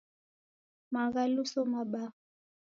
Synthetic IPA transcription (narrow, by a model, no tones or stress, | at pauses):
maɣalusɔmaɓa